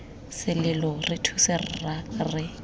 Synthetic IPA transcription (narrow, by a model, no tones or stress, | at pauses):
sɪlɪlɔrɪtʰusɪrrarɪ